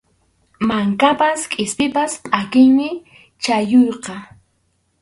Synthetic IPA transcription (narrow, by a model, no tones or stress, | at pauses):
maŋkapaskʼɪspɪpaspʼakɪŋmɪ | t͡ʃajojqɑ